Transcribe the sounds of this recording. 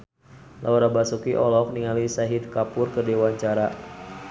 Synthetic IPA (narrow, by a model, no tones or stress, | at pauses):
lʔauɾabasukiʔɔlɔk̚niŋalisaɦid̚kapʊrkədewaɲt͡ʃaɾa